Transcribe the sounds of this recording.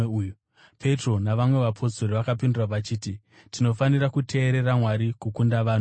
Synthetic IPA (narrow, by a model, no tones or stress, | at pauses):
u | pʰe̞tro̞naʋamwe̞ʋapʰo̞soɾiʋakapinduraʋat͡ʃiːti | tino̞fanirakutʰe̞ːɾe̞ramwaɾikukundaʋaːnu